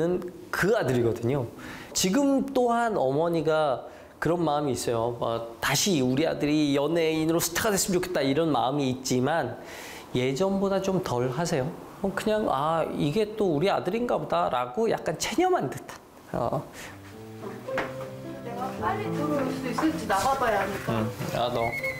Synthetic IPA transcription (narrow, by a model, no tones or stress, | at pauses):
ɯn | kɯadɯɾiɡʌdɯɲo | t͡ɕiɡɯmt͈oɦanʌmʌɲiɡa | kɯɾʌnmaɯmiːs͈ʌjoʌ̰taɕʰiuɾia̰dɯɾijʌne̞inɯɾosʰɯ̥tʰeɡadwes͈ɯmt͡ɕokʰet͈aiɾʌnma̰ɯmiːt̚t͡ɕ͈iman | je̞d͡ʑʌmbodat͡ɕomtʌɭɦasʰe̞jo | ʌkɯɲaŋaiɡe̞t͈ouɾia̰dɯɾinɡabodaɾa̰ɡoja̰k̚k͈ant͡ɕʰeɲʌmandet͈ḁ | ʌ̰ | aaɾitʰoɾois͈uis͈ɯɭt͡ɕ͈inababajaɦamɲik͈aa̰nʌ